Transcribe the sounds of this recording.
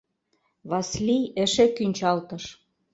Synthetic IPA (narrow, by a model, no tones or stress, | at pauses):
βɑslʲijɘ̆ʃĕkynʲt͡ɕɑlt̪ɤ̆ʃ